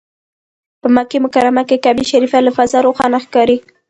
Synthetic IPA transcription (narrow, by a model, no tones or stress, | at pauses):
pəmakemʊkaɾamakekabiʃaɾifalafazaɾoxɑnaxkɑɾi